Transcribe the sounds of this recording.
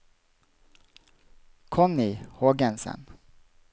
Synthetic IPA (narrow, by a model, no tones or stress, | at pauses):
kʰɔmnɪhoːɡɛnsə̰n